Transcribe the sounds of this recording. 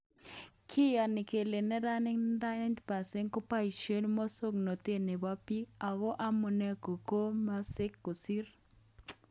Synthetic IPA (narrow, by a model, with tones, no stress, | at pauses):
kʰɪ˦ja˨nɪ˨ke˨le˨nɛ˦ɾa˦nɪ˦ŋ˦ɾa˦nɪ˦ntpa˨se˦nkʊ˦pa˦i˨ʃe˦lmɔ˦so˦kno˨te˦ne˨ba˦pi˦a˨ɣo˦ʔa˦mʊ˨nɛ˦ko˨ko˦ma˦sɪ˦kːo˨si˦ɾ